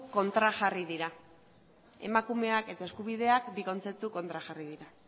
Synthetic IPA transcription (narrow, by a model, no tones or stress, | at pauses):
ko̞nt̪ɾaʝariðiɾa | e̞̰makume̞ake̞t̪ae̞skuβiðe̞akbiko̞nt͡se̞p̚t̪uko̞nt̪ɾaʝariðiɾa